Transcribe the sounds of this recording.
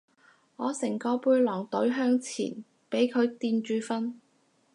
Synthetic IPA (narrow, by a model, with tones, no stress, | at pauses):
ŋɔː˨˧sɪ˨˩ŋkɔː˧puː˧jlɔː˨˩ŋt̪ɵ˨˥ɥɦœː˥ŋt͡sʰḭː˨˩n | pe˨˥jkʰɵ˨˧ɥt̪iː˧nt͡ʃyː˧fɐ˥n